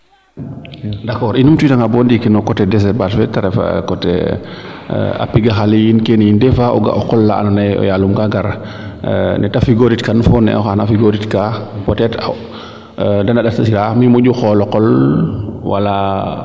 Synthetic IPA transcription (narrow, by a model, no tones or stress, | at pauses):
dakɔːɾinumtutaŋabɔːndikinɔkɔtɛdɛs̬ɛt̚basfɛtaɾɛfa̰kɔtɛ̰ | a̰piɡaxalijinkenindɛfaɔɡa̰ʔɔkɔlːaa̰nanajɔ̰jaːlumkaɡaɾ | nɛtafiɡoɾitkanfɔnːɛ̰ɔ̰xanafiɡoɾitkapɔtɛta | dandaɗatasiɾamimuɟuxɔlɔqɔl | wa̰la